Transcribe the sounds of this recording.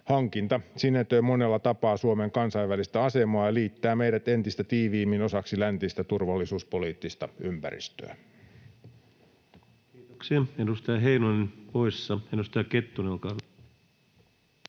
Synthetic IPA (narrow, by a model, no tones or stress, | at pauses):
hɑŋkint̪ɑsinːet̪øimo̞nelːɑt̪ɑpɑːsuomeŋkɑnsɑjʋːælist̪æɑse̞moɑjɑliːt̪ːæːmejɾæt̪e̞nt̪ist̪æt̪iːʋiːmino̞sɑksilænt̪ist̪æt̪urʋɑlːisuːspo̞liːt̪ːist̪ɑ̰ympæ̰ɾḭst̪ø̰ː | kiːt̪oksiɑedust̪ɑjɑɦeinonnpoisːɑedust̪ɑjɑket̪ːunelkɑn